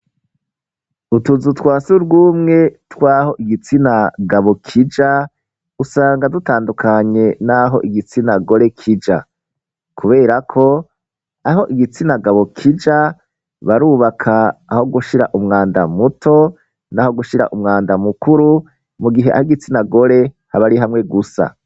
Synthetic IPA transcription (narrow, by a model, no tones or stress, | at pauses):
utuzutwaːsuɾɡuːmŋe̞twaːɦo̞ʔiɡit͡sinaɡaβo̞kʰid͡ʒa | usaːŋɡadutaːndukʰaɲe̞naɦo̞̰ʔiɡit͡sinaɡo̞ɾe̞kʰid͡ʒa̰ | kʰuβe̞ːɾakʰo̞ | aɦo̞ʔiɡit͡sinaɡaβo̞kʰid͡ʒa | βaɾuːβakʰaːho̞ɡuʃiɾa̰ʔumŋaːndamutʰo̞ | naho̞ɡuʃiɾa̰ʔumŋaːndamukuɾu | muɡiɦe̞ʔa̰hiɡit͡sinaɡo̞ɾe̞ | haβaɾiɦamŋe̞ɡusa̰